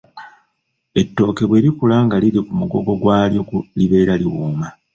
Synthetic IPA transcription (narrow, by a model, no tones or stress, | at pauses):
e̞tːo̞ːke̞βwe̞ːɾikulaŋɡaliɾikumuɡo̞̰ɡo̞ɡwaːljoliβe̞ːɾaliwuːma